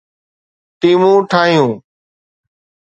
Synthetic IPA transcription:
t̪iːmũːʈʰaːɦjũː

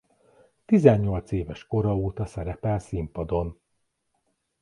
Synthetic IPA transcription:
t̪izɛɲːo̞lt̪seːvɛʃko̞ɾɒoːt̪ɒsɛɾɛpɛlsimpɒd̪o̞n

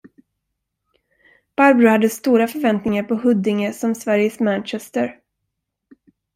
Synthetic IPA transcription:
b̥aɾbɾʊhad̪ːəst̪uːɾafœɾvɛnt̪nɪŋaɾpʰɔɦɵd̪ːɪŋəsɔmsvæɾjəsmænt͡ʃɛst̪əɾ

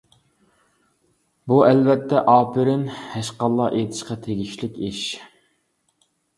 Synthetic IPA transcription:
buɛlvɛt̪ʰːɛʔɑːpʰɪɾɪnhɛʃqɑlˠːɑʔet̪ʰɪ̥ʃqɑt̪ʰeɡʲiʃlɪkʲiʃ

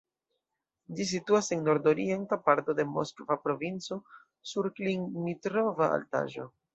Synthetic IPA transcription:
d͡ʒis̬ituase̞nːo̞ɾdo̞ɾie̞ntapaɾto̞de̞mo̞̰skvapɾo̞vint͡so̞ | suɾkliŋmitɾovaa̰lta̰ʒo̞̰

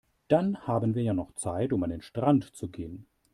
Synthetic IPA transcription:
d̥anhaːbənviːɐjaːnɔχt͡saɪtʊmandeːnʃtʁ̥antt͡suɡeːən

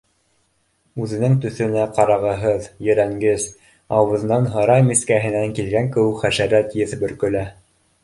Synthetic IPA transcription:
ʉðɘ̆nɘŋt̪ɵ̆θɵ̆næqɑɾɑʁɤ̆ɦɤðjɘ̆ɾæŋɡɘz | ɑwɤ̆ðnɑnɦɤ̆ɾɑmiskæɦɘ̆næŋkilɡæŋkɘ̆wɘkχæʃæɾæt̪jɘθbɵ̆ɾkɵ̆læ

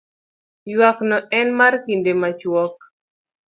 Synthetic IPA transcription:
jwaknɔɛnmarkindemat͡ʃwɔk̚

